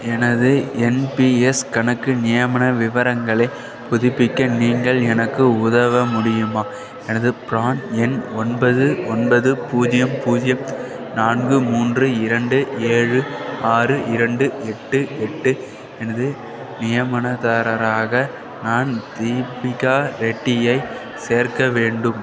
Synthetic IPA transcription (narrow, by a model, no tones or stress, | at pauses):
ɛnɐðɯɛnpiɛskɐnɐkːɯnɪjɐmɐɳɐʋɪʋɐɾɐŋɡɐɭɐɪ | pʊðɪpːɪkːɐniːŋɡɐɭɛnɐkːɯʊðɐʋɐmʊɽɪjɯmaː | ɛnɐðɯpɾaːnɛnɔnbɐðɯɔnbɐðɯpuːd͡ʒɪjɐmpuːd͡ʒɪjɐm | naːnɡɯmuːndrɯɪɾɐɳɖɯeːɻɯaːrɯʔɪɾɐɳɖɯɛʈːɯɛʈːɯ | ɛnɐðɯ | nɪjɐmɐnɐðaːɾɐɾaːɣɐ | naːnd̪̥iːpɪkːaːɾɛʈːɪjɐɪ | seːɾkɐʋeːɳɖɯm